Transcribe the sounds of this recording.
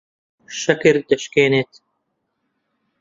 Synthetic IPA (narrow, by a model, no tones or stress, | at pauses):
ʃɐkiɾd̪ɐʃkeːnet̪